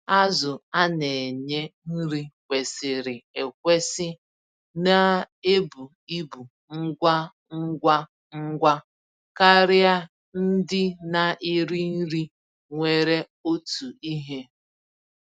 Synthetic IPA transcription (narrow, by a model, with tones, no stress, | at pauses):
a˦zʊ˨a˦ne˨ɲe˦n̩˦ɾi˦kʷe˨sɪ˨ɾɪ˨e˨kʷe˦sɪ˦ | na˦ | e˦bu˨ | i˦bu˨ | ŋ̩˦ɡʷa˦ | ŋ̩˦ɡʷa˦ | ŋ̩˦ɡʷa˦ | ka˦ɾɪ˦a˦ | n̩˦dɪ˦na˨ʔɪ˦ɾi˦n̩˦ɾi˦ | ŋʷe˨ɾe˦ | o˦tu˨i˦ɦe˦